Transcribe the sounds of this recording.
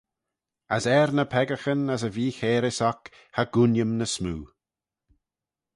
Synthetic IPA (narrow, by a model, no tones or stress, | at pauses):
əsɛɾnəpʰɛɡəxənəs̬əviːxeːɾɪsɔk | haɡ̥unjəmnəsmuː